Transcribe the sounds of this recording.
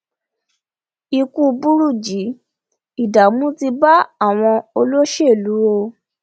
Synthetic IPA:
i˧ku˦bu˦ɾu˦˨d͡ʒi˨˦ | i˦˨da˨mũ˦ti˧ba˦a˦˨w̃ɔ̃˧o˧lo˦ʃe˦˨lu˨˦o˧

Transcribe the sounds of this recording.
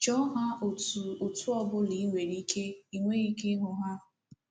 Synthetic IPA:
t͡ʃɔ˦ɦa˦o˨tu˨ʊ˨tʊ˦ɔ˦bʊ˦li˨˦i˦ŋʷe˨ɾi˦kʰe˦i˦ŋʷe˦i˦ke˦ɦʊ˨ɦa˦˨

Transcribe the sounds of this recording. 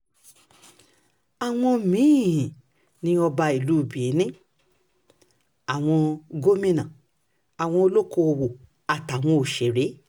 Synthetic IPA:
a˨w̃ɔ̃˧mĩ˨˦˨ĩ˨ | nĩ˧ɔ˧ba˧i˨lu˨˦˨bi˨e˨˦nĩ˦ | a˨w̃ɔ̃˧ɡo˦mĩ˦nã˨ | a˨w̃ɔ̃˧o˧lo˦ko˧o˧wo˨ | a˨ta˨w̃ɔ̃˧o˨ʃe˨ɾe˨˦

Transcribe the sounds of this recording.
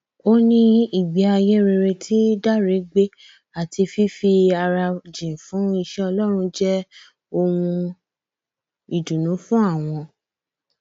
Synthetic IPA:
o˦nĩ˧i˨ɡ͡bi˨˦a˧je˦ɾe˧ɾe˧tʰi˦da˦˨ɾe˨˦ɡ͡be˦ | a˨ti˧fi˦fi˧a˧ɾa˧d͡ʒĩ˨fũ˨˦i˧ʃɛ˦ɔ˧lɔ˦ɾ̃ũ˧d͡ʒɛ˦ | o˧ũ˧ | i˨dũ˨nũ˨˦fũ˦a˦˨w̃ɔ̃˧

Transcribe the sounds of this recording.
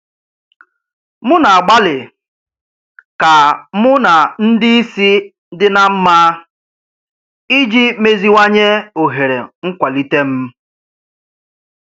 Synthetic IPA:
mʊ˦na˨a˨ɡ͡ba˦lɪ˨ | ka˨mʊ˦na˨n̩˦di˦i˦si˦ | dɪ˦na˨m̩˦ma˦ | i˦d͡ʒi˦me˦zi˦ŋa˦ɲe˦o˨ɦe˨ɾḛ˨ŋ̩˦kʷa˨li˦te˦m̩˦

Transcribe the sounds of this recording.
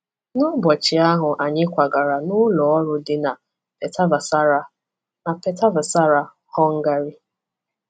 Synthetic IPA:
nʊ˦bɔ˨t͡ʃɪ˨a˦ɦʊ˨ʔa˨ɲɪ˦kʷa˨ɡa˨ɾa˨nʊ˦lɔ˨ɔ˦ɾʊ˦dɪ˦na˨ | pe˨ta˦va˨sa˦ɾa˦ | na˨pe˨ta˦va˨sa˦ɾa˨ | hɔ˦ŋ̩˦ɡa˦ɾi˦

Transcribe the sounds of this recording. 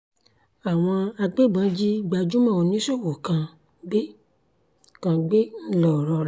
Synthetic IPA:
a˨w̃ɔ̃˧a˧ɡ͡be˦˨bã˨˦d͡ʒi˦ɡ͡ba˧d͡ʒu˦mã˦˨o˨nĩ˨˦so˦˨wo˨kã˧ | ɡ͡be˦ | kã˧ɡ͡be˦n̩˦lɔ˨ɾɔ˧˦

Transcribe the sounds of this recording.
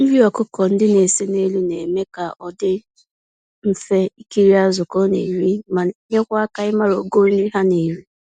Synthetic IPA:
m̩˦ɾi˦ɔ˨kʊ˦kɔ˨n̩˦dɪ˦ne˨se˦ne˦lu˦ne˨me˦ka˨ʔɔ˨dɪ˦ | m̩˦fe˦i˦ki˦ɾi˦a˦zʊ˨kɔ˦nḛ˨ɾi˦ma˨˦ɲe˦kʷa˦a˦ka˨ɪ˦ma˦ɾo˨ɡo˦n̩˦ɾi˦ɦa˦ne˨ɾi˦

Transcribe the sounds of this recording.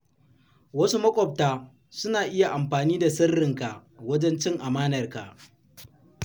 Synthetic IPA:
wɐ˦su˦mɐ˦kʷʼɔ˨p̚taː˨ | sʊ˦naː˨ʔɪ˦ja˨ʔa˨mɸaː˨niː˦da˨sɐ˦rːɪ˨ŋka˨wɐ˦d͡ʒɛ˦nt͡ʃɪ˦ŋʔa˨maː˦nɐ˨rka̰˨ʔ

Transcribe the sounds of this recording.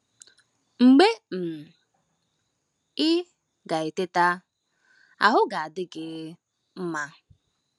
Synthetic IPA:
ŋ͡m̩˨ɡ͡be˦m̩˨ | ɪ˦ | ɡa˨e˨te˦ta˦ | a̰˨ɦʊ˦ɡa˨a˨dɪ˦ɡɪ˦ | m̩˦ma˦

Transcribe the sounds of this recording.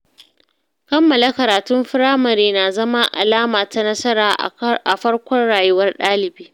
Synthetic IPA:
kɐ˦mːɐ˨la˦kɐ˨ɾaː˨tʊ˦mɸɪ˦ɾaː˦mɐ˨ɾeː˨naː˨zɐ˦ma˦ʔa̰˨laː˦maː˨ta˦nɐ˦sɐ˦ɾaː˨ʔa˨ɸɐ˦rkʷɔ˦nɽaː˨jʊ˦wɐ˦rɗaː˦lɪ˨biː˦

